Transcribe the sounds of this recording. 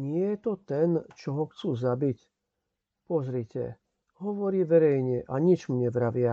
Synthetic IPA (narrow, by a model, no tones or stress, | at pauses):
ɲɪɛjɛt̪ɔt̪ɛnt͡ʃɔɦɔxt͡suːzabic | pɔzɾicɛ̰ | ɦɔʋɔɾiːʋɛɾɛjɲɛʔaɲit͡ʃmuɲɛvɾaʋɪa